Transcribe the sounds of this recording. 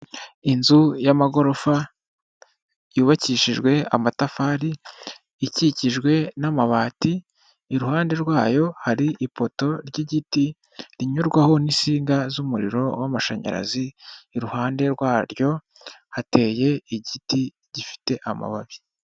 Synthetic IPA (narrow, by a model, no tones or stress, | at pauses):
inzujamaɡo̞ɾo̞fa | juːβaciʃiʒɡwe̞a̰matafaːɾiː | ciciʒɡwe̞namaβaːtiː | ɾuhaːnde̞ɾɡwaːjo̞haɾiʔipo̞to̞ɾɟiɟiti | ɾiɲuɾɡwaho̞nisiːŋɡazumuɾḭɾo̞wamaʃa̰ɲa̰ɾa̰ziːɾuhaːnde̞ɾɡwaːɾjo̞ | hate̞ːje̞iɟiti | ɟifi̥te̞ʔama̰βaβi